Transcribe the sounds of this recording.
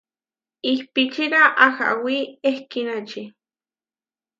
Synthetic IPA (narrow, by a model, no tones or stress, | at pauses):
ihpit͡ʃiɾaʔaxa̰ʔwiehkinat͡ʃi